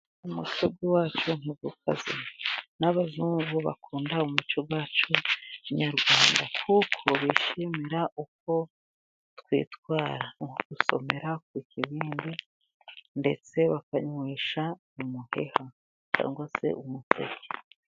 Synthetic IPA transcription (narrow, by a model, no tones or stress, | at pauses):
umṵt͡ʃob̚ɡiwaːt͡ʃun̥iɡukʰa̰zinaβazuːŋɡuβa̰kuːndaumut͡ʃoɡwaːt͡ʃuɲaɾɡwaːnda̰kʰukʰo̞βiʃimiɾaʔuk̚o̞ | tkwḭːtkwaːɾaŋhoɡuso̞̰me̞ɾak̚wikiβiːndi | nde̞t͡se̞βakaɲwiːʃa | umuhe̞̰ha | t͡ʃa̰ːŋɡwase̞̰ʔumutʰḛɟe